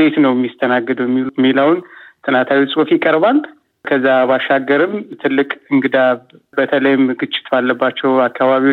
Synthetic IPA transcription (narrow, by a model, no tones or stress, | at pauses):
d̪et̪nəwjɛmːjist̪ʰənaɡːɨd̪wjɛmːilumːilawnt̪ʰɨnat̪ʰawisʼofjɪkʼəɾβal | kʰəzːabaʃːaɡːəɾɨmt̪ʰɨlːɨkʼɨŋɡɨd̪aβ | bət̪ʰələjmɡɨt͡ʃʼːɪ̥t̪balːəbːat͡ʃːɛwakːaβaβi